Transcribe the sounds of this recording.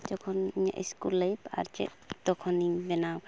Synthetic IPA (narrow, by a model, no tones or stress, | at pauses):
d͡ʒɔkʰɔniɲa̰ʔiskulːəjba̰ɾd͡ʒɛ̰ | t̪ɔkʰɔnibɛnaw